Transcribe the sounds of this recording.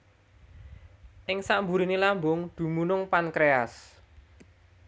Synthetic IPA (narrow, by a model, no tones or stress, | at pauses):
ʔɪŋsaʔmbuɾinilambʊŋd̪̥ṳmunʊŋpankɾeas